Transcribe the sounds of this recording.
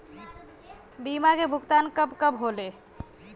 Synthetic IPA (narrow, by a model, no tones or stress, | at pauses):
bimakebʱukt̪ankəbkəbɦole